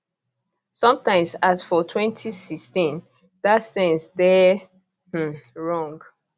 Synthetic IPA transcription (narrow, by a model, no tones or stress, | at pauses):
sɔ̃mtãɪ̃msasfɔtʰwɛ̃ntʰisikstĩn | datsɛ̃nsdɛ | h̩ɹɔ̃ŋɡ